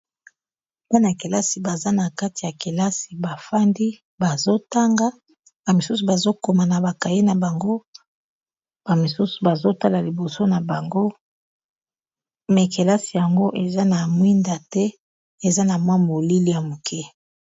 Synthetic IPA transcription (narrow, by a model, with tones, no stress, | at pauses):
ma˦n˨a˨ke˨la˦si˨ba˨za˦na˨ka˦ti˨ja˨ke˨la˦si˨ba˨fa˦ndi˦ | ba˨zo˦ta˦ŋɡa˦ | ba˨mi˨su˦su˨ba˨zo˦ko˨ma˨na˨ba˨ka˨je˦na˨ba˨ŋɡo˦ | b̥a˨mi˨su˦su̥˨ba˨zo˦ta˦la˨li˨bo˨so˦na˨ba˨ŋɡo˦ | me˨ke˨la˦si˨ja˨ŋɡo˦ʔe˨za˦na˨mwi˦nda˨tɛ˦ | e˨za˦na˨mwa˦mo˨li˦li˦ja˨mo˨kʰɛ˦